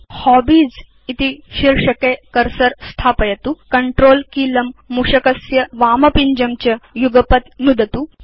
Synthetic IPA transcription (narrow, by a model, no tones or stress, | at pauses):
hɔbiːd͡z | it̪iɕiɾʂɐkekɐɾsɐɾst̪ʰaːpɐjɐt̪ukɐɳʈɾoːlkiːlɐmːuʂɐkɐsjɐʋaːmɐpiɲd͡ʑɐmt͡ɕɐjuɡɐpɐt̪nud̪ʱɐt̪u